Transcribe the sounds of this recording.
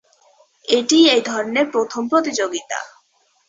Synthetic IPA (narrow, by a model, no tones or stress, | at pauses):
eʈiejd̪ʱɔɾneɾpɾot̪ʰompɾot̪id͡ʑoɡit̪a̰